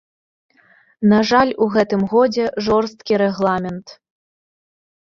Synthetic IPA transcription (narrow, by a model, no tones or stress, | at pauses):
naʐalʲuɣɛt̪ɨmɣɔd͡zʲɛʐɔrst̪kʲiɾɛɣlˠamʲɛnt̪